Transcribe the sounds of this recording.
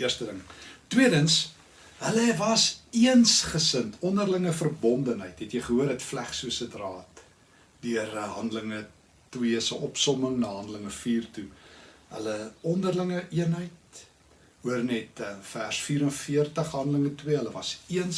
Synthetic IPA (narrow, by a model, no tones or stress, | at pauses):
iərstədəŋtwiədəns | ɦələvɐsiənsχəsəntʰɔndərləŋəfərbɔndənɦəjtɦɛtjəjχəɦuəɾɦɛtflæχsuəsədrɑːt | dyərɦɐndələŋə | twiəsəʔɔpsɔməŋnəɦɐndələŋəfiːrtuɦə̰ləɔndərləŋəʔiənɦəjt̚ | uərnɛtəfærsfiːɾənfiərtəχɦɐndələŋətwiəɦələvɐsiəns